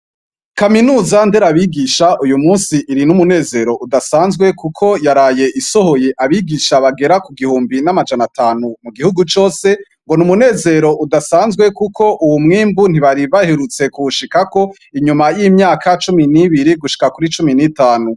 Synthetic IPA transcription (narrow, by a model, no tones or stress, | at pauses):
kaminuːzande̞ɾaβiɡiʃaʔujumuːnsiʔːɾinumune̞ːze̞ɾo̞ʔudasaːnzɡwe̞kukʰo̞jaɾaːje̞ʔiso̞ho̞je̞ʔaβiɡiʃaβaɡe̞ɾakuɡihuːmbinamad͡ʒanatʰaːnumuɡihuɡut͡ʃo̞ːse̞ | ŋɡo̞numune̞ːze̞ɾo̞ʔudasaːnzɡwe̞kukʰo̞ʔuwumŋiːmbun̥iβaɾiβaheɾut͡se̞kuuʃikako̞ | iɲumajimɲaːkʰat͡ʃuminiβiɾiɡuʃi̥kakuɾit͡ʃuminitaːnu